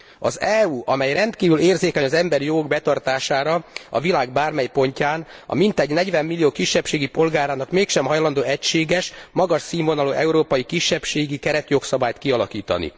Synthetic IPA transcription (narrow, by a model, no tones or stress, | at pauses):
ɒ̰zɛuːɒmɛjrɛnt̪kiːvyleːrzeːkɛɲɒzɛmbɛɾijoːɡbɛt̪ɒrt̪aːʃaːɾɒɒ̰vilaːɡbaːrmɛjpo̞ɲcaːnɒ̰mint̪ɛɟnɛɟʋɛmːilːijoːkiʃːɛpʃeːɡipo̞lɡaːɾaːnɒkmeːkʃɛmɦɒjlɒnd̪oːɛcʃeːɡɛʃmɒɡɒʃsiːmvo̞nɒloːʔɛuɾoːpɒjikiʃːɛpʃeːɡikɛɾɛt̪jo̞ksɒbaːjt̪kiɒlɒkiːt̪ɒ̰nḭ